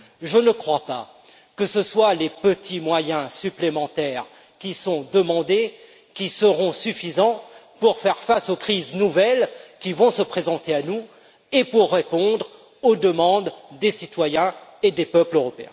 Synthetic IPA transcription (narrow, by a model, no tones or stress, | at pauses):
ʒənəkχwapa | kəsəswalepət̪ʰimwajɛ̃syplemɑ̃t̪ɛʁ | kʲisɔ̃d̪əmɑ̃d̪e | kʲisəʁɔ̃syfizɑ̃puʁfɛʁfasokχiznuvɛlkʲivɔ̃səpχezɑ̃t̪eanu | epuʁːepɔ̃d̪ʁ | od̪əmɑ̃d̪ːesit̪wajɛ̃ed̪epœpløʁɔpeɛ̰̃